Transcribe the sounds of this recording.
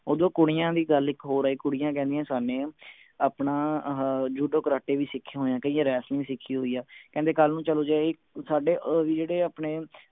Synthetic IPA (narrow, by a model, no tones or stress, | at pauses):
oːd̪õːkʊɽɪjãːd̪iːɡəlɪkɦoːɾaːiːkʊɽɪjãːkɛ̃ːnd̪ijãːsaːneː | aːpnaː | d͡ʒuɖoːkəɾaːʈeːʋiːsɪkʰːãːɦoːjãːkəiːãːɾɛːsnĩːiːsɪkʰːiːɦoːiːaːkɛ̃nd̪eːkəlnũːt͡ʃəloːd͡ʒaːɪ | saːɖeːʋiːd͡ʒeːɽeːaːpɳeː